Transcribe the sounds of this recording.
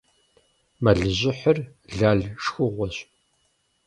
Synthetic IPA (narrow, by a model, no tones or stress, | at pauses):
mɐɮɨʑɪħər | ɮaːɮʂxʊʁʷɔɕ